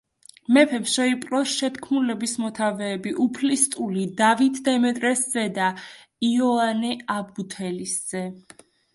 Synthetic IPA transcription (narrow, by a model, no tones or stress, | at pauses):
mɛpʰɛpsʃɛipʼɾɔsʃɛt̪ʰkʰmnulɛbismɔt̪ʰavɛːbiʔupʰlist̪ʼulid̪avit̪ʰd̪ɛmɛt̪ʼɾɛsz̥ɛd̪a | iɔanɛabut̪ʰɛlisz̥ɛ